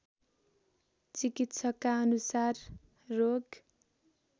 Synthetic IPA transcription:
t͡sikit̪sʰʌkaʌnusarː | oɡ

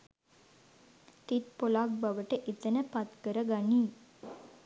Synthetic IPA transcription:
t̪it̪̚polak̚baʋəʈəʔit̪ənəpat̪kəɾəɡaniː

